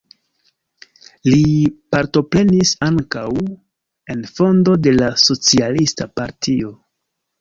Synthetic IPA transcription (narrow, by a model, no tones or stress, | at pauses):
lipaɾto̞pɾe̞nisaŋkaw | e̞nfo̞ndo̞de̞laso̞t͡sialistapaɾtʰio̞